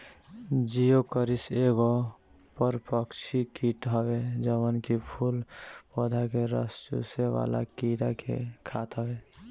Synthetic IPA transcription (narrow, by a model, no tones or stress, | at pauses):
d͡ʒijokəɾiseɡo | pəɾpəkt͡ʃʰikiʈɦəbed͡ʒəwənkipʰulpɔd̪ʱakeɾə̰st͡ʃṵseʋa̰la̰kiɾakḛkʰat̪ɦəbe